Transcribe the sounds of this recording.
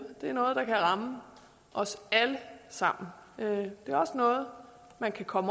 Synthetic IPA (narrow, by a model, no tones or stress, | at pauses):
d̥e̝æɐnɔ̽ːð̞̩ˠd̥ɑ̈kʰæʁɑ̈mə | ʔɒ̽sæləsɑ̈m̰n̩ød̥e̝æɐɒ̽sənɔ̽ːð̞̩ˠ | mænkʰækʰɒ̽m